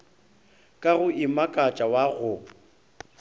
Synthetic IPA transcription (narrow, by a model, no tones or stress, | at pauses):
kʼaɣʊʔɪmakʼat͡ʃʼawaɣʊ